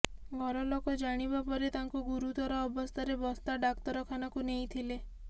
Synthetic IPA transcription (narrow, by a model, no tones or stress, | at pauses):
ɡʱɔɾɔlokɔd͡ʒaɽ̃ibapɔɾet̪aŋkuɡuɾut̪ɔɾɔːbɔst̪ʰaɾebɔst̪ʰaɖakt̪ɔɾɔkʰanɔkunej̃t̪ʰile